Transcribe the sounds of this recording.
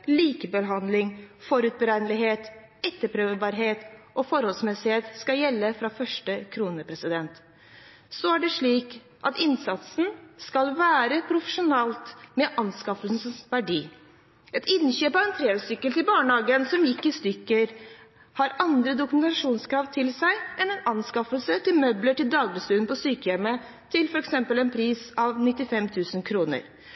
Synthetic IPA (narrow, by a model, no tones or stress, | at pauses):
liːkəbəɦɑnd̪lɪŋfɔɾʉːt̪̚bəɾænlɪɦeːt̪ | ɛt̪ːəpʰɾøːʋbɑːɾɦeːt̪ʔɔfɔɾhɔlsmɛsɪheːt̪skɑjɛlːəfɾɑfœʂʈəkʰɾuːnəpʰɾɛsɪd̪ɛnt̪ | sɔæɖɛʂɭiːk | ʔɑt̪ɪnsɑt̪sn̩skɑlʋæːɾəpʰɾʊfə̥ʂʊnɛlt̪mɛʔɑnskɑfəln̩səsʋæɖiː | ɛt̪ɪnːɕøːpɑʋɛnt̪ʰɾeːəsʏkːəlt̪ɪlbɑːɳhɑːɡənsɔmjɪkːɪst̪ʏkːəɾ | hɑɾɑnd̪ɾəd̪ʊkʉmɛnt̪ɑʂuːnskʰɾɑːʋt̪ʰɪlsæɪʔɛnɛnɑnskɑfəlsət̪ʰɪlmœbləʈɪld̪ɑːɡbəst̪ʉnpʰɔsyːkəjɛmːə | t̪ʰɪlfɔɾɛksɛmpəlɛnpʰɾiːsɑʋnɪt̪ːɪfɛmt̪ʰʉːsənkʰɾuːnə̰ɾ